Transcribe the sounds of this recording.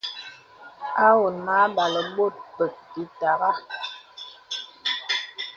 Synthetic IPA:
a˦wo˨na˦ɓa˨lə˨ɓo˦˨t̚pə˨k̚ti˨˦ta˨ɣa˦

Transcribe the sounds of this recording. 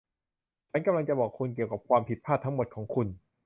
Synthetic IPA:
t͡ɕʰa˦˥nka˧mla˧ŋt͡ɕa˨˩bɔː˨˩kʰːu˧nk̬i˨˩əwka˨˩p̚kʰwaː˧mpʰi˨˩t̪̚pʰaː˥˩t̪ʰːa˦˥ŋmo˨˩t̪̚kʰɔː˩˦ŋkʰu˧n

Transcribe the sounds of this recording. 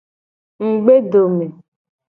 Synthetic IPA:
ŋ̩˨ɡ͡be˦do˨me˨

